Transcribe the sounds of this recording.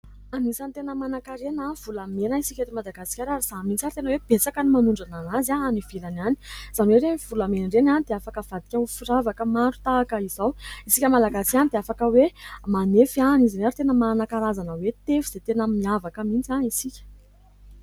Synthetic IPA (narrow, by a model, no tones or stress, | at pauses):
anisant̪enəmanakaɾenav̥ulamenəisikʲet̪imad̪aɡasi̥kʲaɾaɾiz̥amint͡saɾit̪enəweb̥et͡sakənimanuɳɖ͡ʐananazaaniv̥elanani̥z̥anweɾeiv̥ulamenrenanid̪eafakəv̥ad̪i̥kʲaufiɾavakəmaɾut̪aːkəiz̥awisikʲəmalaɡasi̥kʲanid̪eafakəwemanefanizinaɾit̪enəmanakaɾazanəwet̪efiz̥et̪enəmiavakəmint͡saisikʲə̥